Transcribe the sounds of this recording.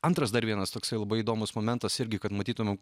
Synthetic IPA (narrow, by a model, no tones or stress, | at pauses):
ɐnt̪ɾɐsd̪ɐɾʋʲiɛnɐst̪oːksɐɪlˠɐbɐɪiːd̪oːmʊsmoːmʲɛnt̪ɐsɪɾʲɡʲɪkɐt̪mɐt̪ʲiːt̪ʊmʲɛm